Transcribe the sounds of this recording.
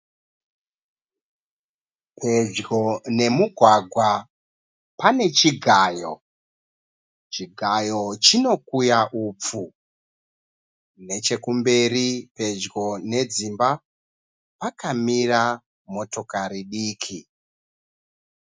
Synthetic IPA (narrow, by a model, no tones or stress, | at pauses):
pʰe̞d͡ʒɡo̞ne̞muɡʱwaɡʱwa | pane̞t͡ʃiɡʱaːjo̞̰ | t͡ʃiɡʱajo̞t͡ʃino̞kujaʔuːp͡fu | ne̞t͡ʃe̞kumberipe̞d͡ʒɡo̞ne̞d͡zimba | pakamira | mo̞to̞kaɾiɗiːkʰi